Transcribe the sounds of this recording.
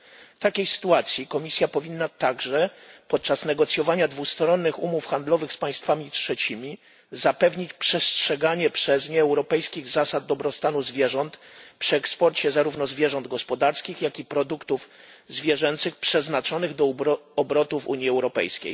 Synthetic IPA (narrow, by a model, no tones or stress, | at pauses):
t̪akʲejsɘ̥t̪uat̪sʲjikɔmʲisʲjapɔvʲinːat̪aɡʐɛpɔt̪̚t͡ʂasnɛɡɔt̪sʲjɔvaɲad̪vust̪ɾɔnːɘxṵmufxand̪lɔvɘxspaj̃st̪famʲitʂɛt͡ɕimʲi | zapɛvɲit͡ɕpʂɛstʂɛɡaɲɛpʂɛzɲɛːwɾɔpɛjskʲiɣzasad̪̚d̪ɔbɾɔst̪anuzvʲjɛʐɔnt̪pʂɘɛkspɔɾt͡ɕɛzaɾuvnɔzvʲjɛʐɔnd̪ɡɔspɔd̪aɾskʲixjakʲipɾɔd̪ukt̪uf | zvʲjɛʐɛnt̪sɘxpʂɛznat͡ʂɔnɘɣd̪ɔɔbɾɔt̪uvṵɲjiɛwɾɔpɛ̰jskʲḛj